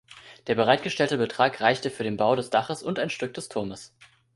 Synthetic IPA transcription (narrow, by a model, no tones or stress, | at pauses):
d̥eːɐbəʁ̞aɪt̚ɡ̥əʃtɛltəbətʁ̥aːkʁaɪçtəfyːɐɾeːnbaʊɾɛsd̥aχəsʊntaɪnʃtʏk̚d̥ɛstʰʊɐməs